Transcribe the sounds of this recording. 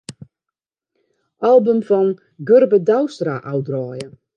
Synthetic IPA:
ʔalˠbəmfɔn | ɡørbədawstraʔawdrɔːjə

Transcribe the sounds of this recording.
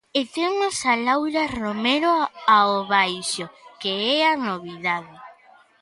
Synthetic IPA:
et̪ewnosalawɾaromeɾoaoβajʃokeɛanoβiðaðe

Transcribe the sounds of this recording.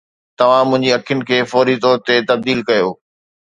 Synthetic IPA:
t̪ɐʋ̤ãmʊ̃ɦɪ̃ɲd͡ʑiɐkʰijʊnɪ̆kʰeːfɔːɾit̪ɔːɾt̪et̪ɐb̚d̪iːlkɐjoː

